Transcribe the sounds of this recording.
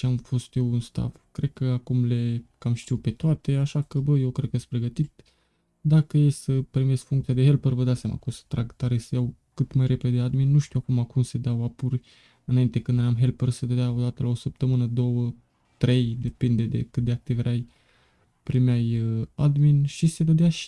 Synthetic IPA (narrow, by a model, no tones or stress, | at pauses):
eamfo̞st̪je̞wunst̪a̰vkɾe̞d̪̚kəakumle̞kamʃt̪iwpe̞t̪oat̪e̞aʃakəbəje̞wkɾed̪̚kəjest̪pɾe̞ɡət̪it̪̚ | d̪akəjesəpɾimesfuŋkt̪siad̪e̞ɦe̞lpərvəd̪at̪sʲama̰kosə̥t̪ɾaɡt̪aɾesejawkɨt̪majɾʔe̞ped̪ead̪minːuʃt̪iwakumakumse̞d̪awapurʲ | ɨnaint̪e̞kɨnd̪ajamɦe̞lpərsed̪əd̪eao̞d̪at̪əlaosəp̚t̪əmɨnəd̪o̞wə | t̪ɾe̞jd̪e̞pind̪e̞d̪e̞̰kɨt̪̚d̪e̞ak̚t̪ivɾaj | pɾimeajəad̪minʃise̞d̪əd̪eaʃi̥